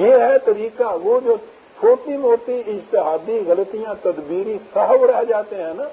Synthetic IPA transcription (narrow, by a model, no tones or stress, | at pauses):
jeːɦɛt̪ɐɾiːkaʋoːd͡ʒoː | t͡ʃʰoːʈimoːt̪iɪd͡ʒt̪ɪɦaːd̪iɣɐlət̪ijãt̪ɐd̪biːɾisɐɦʋɽaɦd͡ʒaːt̪eɦɛ̃ːnaː